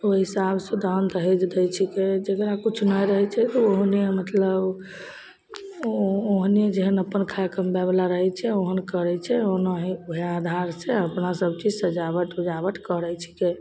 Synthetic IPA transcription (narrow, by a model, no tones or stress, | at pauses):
oɦisabsẽd̪ant̪əɦɛd͡ʒd̪ɛt͡ʃʰiked͡ʒekɾakut͡ʃʰnəjɾəɦɛt͡ʃʰɛt̪ɔoɦnemət̪ləb | oɦned͡ʒeɦənəpːənkʰajkəmbɛblaɾəɦɛt͡ʃʰɛoɦənkəɾɛt͡ʃʰɛoɦnəɦiuɦead̪ʱaɾseəpnasəb̚t͡ʃid͡ʒsəd͡ʒabəʈ̪ud͡ʒabəʈ̪kəɾɛt͡ʃʰi̥ke